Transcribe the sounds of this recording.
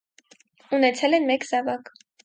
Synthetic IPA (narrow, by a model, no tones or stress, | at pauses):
unɛt͡sʰɛlɛnmɛkzɑvɑk